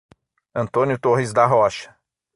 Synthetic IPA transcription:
ɐ̃nt̪õnjʊt̪oɦizd̪ɐɦɔʃɐ̥

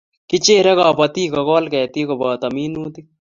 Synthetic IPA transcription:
kit͡ʃeːɾɐkaːpɐt̪iːkɐkɔːlkɛːt̪iːkobaːt̪ɐmiːnuːt̪i

